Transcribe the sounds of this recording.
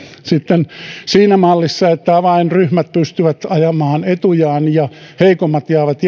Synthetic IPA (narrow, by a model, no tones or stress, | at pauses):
sit̪ːensiːnæmɑlːisːɑet̪ːæʋɑinryhmæt̪̚pyst̪yʋæt̪ɑjɑmɑːnet̪ujɑːnjɑheikomːɑt̪jɑːʋɑt̪j